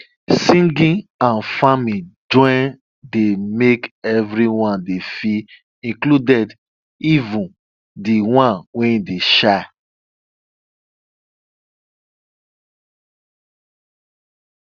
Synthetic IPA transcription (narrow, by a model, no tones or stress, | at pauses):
sĩŋɡĩãnfamĩd͡ʒɔ̃ɪn | demekɛvɾiwãndefi | ĩŋkludɛd | ivũn | diwãnwɛ̃ideʃaɪ